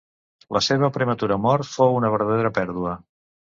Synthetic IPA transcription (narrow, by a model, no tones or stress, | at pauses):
ləseβ̞əpɾəmət̪uɾəmɔɾt̪fowunəβ̞əɾðəðeɾəpɛɾðuə